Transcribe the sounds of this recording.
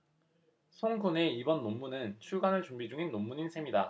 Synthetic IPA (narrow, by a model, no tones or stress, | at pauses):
sʰoŋɡʰune̞ibʌnːomːunɯnt͡ɕʰuɭɡanɯɭt͡ɕumbid͡ʑuŋinːomːuɲinsʰe̞mida